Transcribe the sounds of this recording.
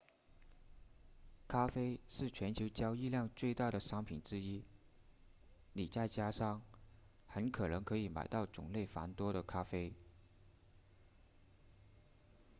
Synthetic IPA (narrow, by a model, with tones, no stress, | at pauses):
kʰa˥fe˥ɪʂɻ̩˥˩t͡ɕʰɥɛ˧˥nt͡ɕʰjo˧˥ʊt͡ɕjɑ˥ʊi˥˧ljɑ˥˧ŋt͡swe˥˧ɪt̪a˥˩ɾə˩ʂɑ˥ŋpʰi˨˩nʈ͡ʂɻ̩˥i˥ | li˨˩t͡ɕa˥˩ɪt͡ɕja˥ʂɑ˥ŋ | xə˧˥nkʰɤ˨˩nɤ˧˥ŋkʰɤ˧˥i˨˧˥ma̰˨˩ɪt̪ɑ˥˩ʊt͡sʊ̰˨˩ŋle˥˩ɪfa̰˧˥nt̪wɔ˥ɾə˨kʰa˥fe˥ɪ